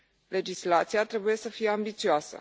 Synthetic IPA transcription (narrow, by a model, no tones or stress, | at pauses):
le̞d͡ʒislat̪sijat̪ɾebuje̞səfijeambit̪sioasə̰